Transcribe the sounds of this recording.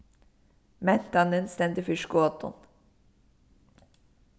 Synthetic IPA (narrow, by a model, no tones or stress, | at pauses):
mɛnt̪ɑnənst̪ɛnd̪əfʏʃkʊoːt̪ɔ̰n